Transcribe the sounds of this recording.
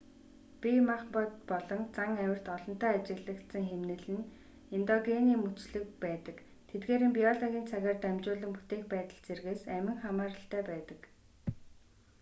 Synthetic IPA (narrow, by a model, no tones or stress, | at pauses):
pʲimaχpɔt̪pɔɮɞ̆nt͡saŋæwʲɪ̆r̥t̪ɔɮɞ̆n̥t̪æːat͡ɕɪ̆ɣɮə̆kt̪sə̆ŋxemnɘ̆ɮɘ̆n | ent̪ɔɡeniːmut͡sɮɘ̆kpæːt̪ə̆k | t̪ʰet̪̚ɡeːɾɘ̆mpʲiɔɮɔɣʲiːnt͡sʰaɣʲaːrt̪æmt͡ɕʊːɮə̆mput̪eːxpæːt̪ə̆ɮt͡serɣeːsæmʲɪ̆ŋχamaːɾə̆ɬt̪æːpæːt̪ə̆k